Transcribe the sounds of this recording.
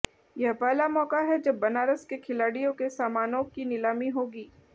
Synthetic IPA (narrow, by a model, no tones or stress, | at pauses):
jɛɦpɛːlamɔːkaɦɛd͡ʒɐbːɐnaːɾəskekʰɪlaːɽijõkesaːmaːnõkinɪlaːmiɦoːɡiː